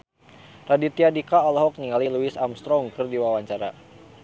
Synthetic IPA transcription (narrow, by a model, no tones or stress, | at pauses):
radit̪iadikaɔlɔɦɔk̚niŋaliluisamst̪ɾɔŋkɨrdiwawaɲt͡ʃaɾa̰